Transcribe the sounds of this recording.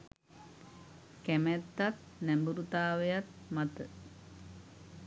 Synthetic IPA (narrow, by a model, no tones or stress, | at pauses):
kɛmet̪ːat̪̚ | nɛmbuɾut̪aːʋejat̪̚mat̪ə